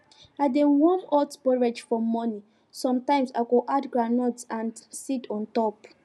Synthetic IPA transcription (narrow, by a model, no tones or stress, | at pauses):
adewɔmɔtbɔɹed͡ʒfɔmɔni | sɔ̃mtãɪ̃msa̰koʔadɡɹanɔtsãndsitɔ̃ntɔp